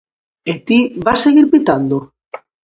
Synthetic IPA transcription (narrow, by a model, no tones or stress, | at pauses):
et̪iβaseɣiɾpit̪and̪o